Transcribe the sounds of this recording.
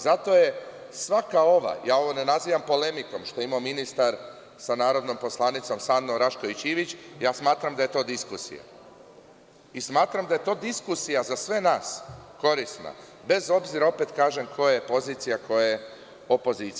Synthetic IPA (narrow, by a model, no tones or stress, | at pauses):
zat̪o̞je̞ | sʋakao̞ʋa̰jaːo̞ʋo̞ne̞naziːʋampo̞le̞miko̞mʃt̪o̞imominist̪aɾ | sanaːɾo̞d̪no̞mpo̞slˠaːnit̪so̞msand̪oɾaʃkoit͡ɕiːʋit͡ɕjaːsmaːt̪ɾamd̪aje̞t̪o̞ːd̪iskusḭja̰ | ismaːt̪ɾamd̪aje̞t̪o̞ːd̪iskusijazasʋe̞naːsko̞ɾisna̰ | be̞zo̞bziɾao̞pet̪kaːʒe̞mkʰo̞jjepo̞ziːt̪sijakʰo̞je | o̞po̞zit̪s